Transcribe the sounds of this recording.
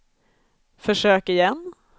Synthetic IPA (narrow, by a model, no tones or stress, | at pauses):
fœʂøːkɪjɛnː